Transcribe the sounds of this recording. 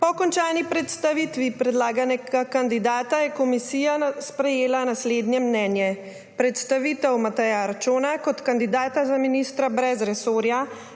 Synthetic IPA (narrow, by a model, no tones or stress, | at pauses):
pɔkɔnt͡ʃaːnipɾɛt̪st̪aʋiːt̪ʋipɾɛd̪laːɡanɛɡakand̪id̪aːt̪ajɛkɔmisiːjaspɾɛjeːlanasleːd̪njɛmnɛːnjɛ | pɾɛt̪st̪aʋiːt̪ɛwmat̪ɛjaɾt͡ʃoːnakɔt̪kand̪id̪aːt̪azaminist̪ɾabɾɛzɾɛsoːɾja